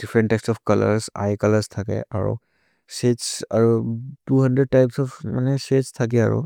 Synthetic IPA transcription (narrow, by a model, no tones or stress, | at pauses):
d̥ifʰɹɛnʈtːajkstɔfkala̰ɹsa̰jkalaɹstʰakɛ̰ʔa̰ɹṵ | setsaɹutuhandɹɛd̚tajpsɔpʰmanɛsestʰak̬ɛa̰ɹṵ